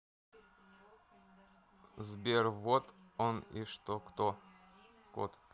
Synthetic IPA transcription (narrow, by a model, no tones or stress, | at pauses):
zbʲervot̪onḭʂt̪okt̪o | ko̰t̪